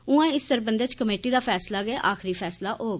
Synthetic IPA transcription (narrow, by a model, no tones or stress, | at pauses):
ʊãːɪsːəɾbənd̪eːt͡ʃkəmeːʈiːd̪aːpʰɛːslaːɡɛːʔaːxʰɾiːpʰɛːslaːʔoːɡ